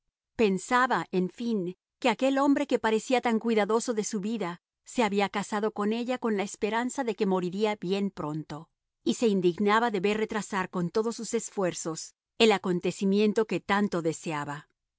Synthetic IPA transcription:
pe̞nsaβaʔeɱfiŋ | ke̞akelo̞mbɾe̞ke̞paɾe̞siat̪aŋkwiðaðo̞so̞ðe̞suβiða | se̞aβiakasaðo̞ko̞ne̞ʝako̞nlaespe̞ɾansaðe̞ke̞mo̞ɾiɾiabje̞npɾo̞nt̪o̞ | ise̞ind̪iɣnaβaðe̞βe̞ɾre̞t̪ɾasaɾko̞nt̪o̞ðo̞sːuse̞sfwe̞ɾso̞s | e̞lako̞nt̪e̞simje̞nt̪o̞ke̞t̪ant̪o̞ðe̞seaβa

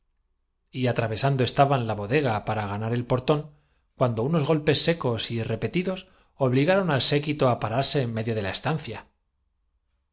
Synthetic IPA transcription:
iat̪ɾaβe̞sand̪o̞e̞st̪aβanlaβo̞ðe̞ɣ̞apaɾaɣanaɾe̞lpo̞ɾt̪o̞ŋ | kwand̪o̞uno̞zɣo̞lpe̞sːe̞ko̞sire̞pe̞t̪iðo̞s | o̞βliɣaɾo̞nalse̞kit̪o̞apaɾaɾse̞ːmmːe̞ðjo̞ðe̞lae̞st̪anθja

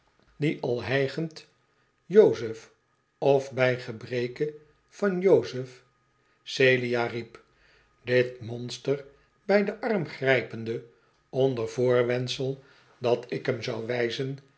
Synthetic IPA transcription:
diʔɑlˠɦɛjχənt | jowzəf | ɔfbɛjχəbrejkə | fɑnjowzəf | sejliaːrip | dɪtmɔnstər | bɛjdəʔɑɹmχrɛjpəndə | ɔndəɹvʊːɹʋɛnsəlˠ | dɑtɪkɦəmzɑwʋɛjzən

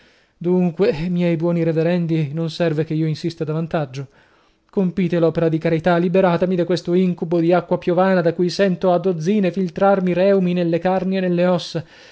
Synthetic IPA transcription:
d̪uŋkwemjɛjbwɔːniɾeveɾɛnd̪inonsɛrvekeiːoinsist̪ad̪avant̪ad͡ʒːo | kompiːt̪elɔːpeɾad̪ikaɾit̪alːibeɾaːt̪amid̪akwest̪oiŋkubod̪iakːwapjovaːnad̪akujsɛnt̪oad̪od̪zːiːnefilt̪ɾarmiɾɛuminelːekarneenelːeɔsːa

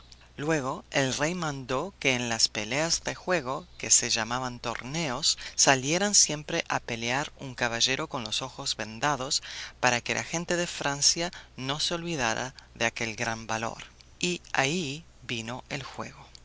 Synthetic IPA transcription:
lwe̞ɣ̞oelrejmãnd̪o̞keːnlaspeleazðexwe̞ɣ̞okeseʒamaβant̪o̞̰ɾneosːaljeɾansje̞mpɾeʔapeleaɾuŋkaβaʒe̞ɾo̞ko̞nlo̞so̞xo̞zβend̪aðo̞spaɾakelʔa̰xe̞nt̪e̞ðefɾansjano̞seo̞lβið̞aɾa̰ðeake̞lɡɾambalo̞̰ɾ | iai | βino̞ʔelxwe̞̰ɣo

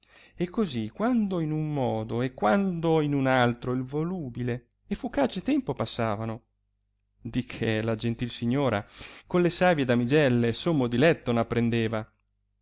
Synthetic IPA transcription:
ekːozikːwand̪oinumːɔːd̪oekːwand̪oinunalt̪ɾoilvoluːbile | efukaːt͡ʃet̪ɛmpopasːaːvano | d̪ikʰːelad͡ʒent̪ilsiɲːoːɾakonlesaːvjed̪amid͡ʒɛlːesomːod̪ilɛt̪ːonapːɾend̪eːva

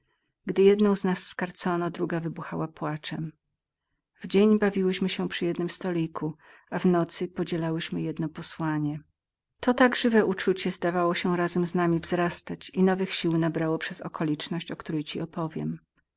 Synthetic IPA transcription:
ɡd̪ɘjɛd̪nɔ̃w̃znasːkaɾt̪sɔnɔd̪ɾuɡavɘbuxawapwat͡ʂɛm | vd͡ʑeɲbavʲiwɘɕmɘɕɛpʂɨjɛd̪nɘmst̪ɔlʲikʰu | avnɔt̪sɘpɔd͡ʑɛlawɘɕmɘjɛd̪nɔpɔswaɲɛ | t̪ɔt̪aɡʐɘvɛʔut͡ʂut͡ɕɛzd̪avawɔɕɛɾazɛmznamʲivzɾast̪at͡ɕinɔvɘxɕiwnabɾawɔpʂɛzɔkɔlʲit͡ʂnɔɕt͡ɕɔkt̪uɾɛjt͡ɕiɔpɔvʲjɛ̰m

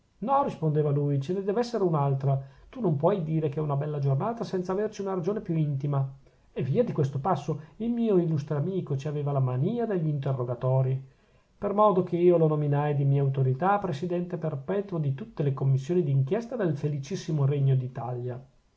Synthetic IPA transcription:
nɔrispond̪eːvalujt͡ʃened̪ɛːvɛsːeɾeunalt̪ɾat̪unompwɔjd̪iːɾekeɛunabɛlːad͡ʒornaːt̪asɛnt̪savert͡ʃiunaɾad͡ʒoːnepjuint̪ima | evːiːad̪ikwest̪opasːoilmiːoilust̪ɾeamiːkot͡ʃiaveːvalamaniːad̪eʎːiːnt̪erːoɡat̪ɔːɾi | permɔːd̪ok̟eiːolonominajd̪imiːeawt̪oɾit̪apːɾesid̪ɛnt̪eperpɛːt̪wod̪it̪ut̪ːelekomːisːjoːnid̪iːŋkjɛst̪ad̪elfelit͡ʃisːimoɾeɲːod̪it̪alja

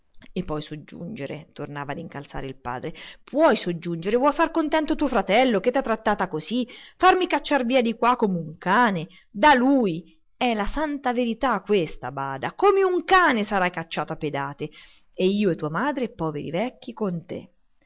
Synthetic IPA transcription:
epːɔjsod͡ʒːṵnd͡ʒeɾḛt̪ornaːvad̪iŋkalt̪sa̰ːɾeilpa̰ːd̪ɾepʰwɔjsod͡ʒːund͡ʒeɾevwɔjfarkont̪ɛnt̪ot̪uofɾat̪ɛlːoket̪ːat̪ːɾat̪ːaːt̪akozifarmikat͡ʃːarviːad̪ikwakːomeuŋkaːne | d̪aluːj | ɛlasant̪aveɾit̪akːwest̪abaːd̪akomeuŋkaːnesaɾajkat͡ʃːaːt̪oapːed̪aːt̪e | eiːoet̪ːuamaːd̪ɾepːɔːvḛɾḭvɛkːikont̪ḛ

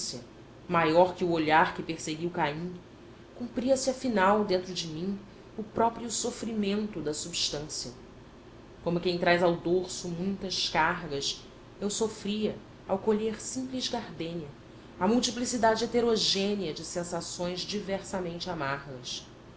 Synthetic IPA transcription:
siɐ̰ | majɔɾkɪʊoʎaɾkɪpeɾseɡiwkaĩ | kũpɾiɐsɪɐfinawd̪ẽnt̪ɾʊd͡ʒɪmĩŋ | ʊpɾɔpɾiʊsofɾimẽnt̪ʊd̪ɐsubiʃt̪ɐ̃siɐ | kõmʊkẽj̃t̪ɾajzawd̪oɾsʊmũj̃t̪ɐʃkaɦɡɐs | ewsofɾiɐ | awkoʎeɾsĩmplɪzɡaɾd̪ẽniɐ | ɐmuwt͡ʃiplisid̪ad͡ʒɪet̪eɾoʒẽniɐd͡ʒɪsẽsasõj̃zd͡ʒivɛɾsɐmẽnt͡ʃɪamaɾɡɐs

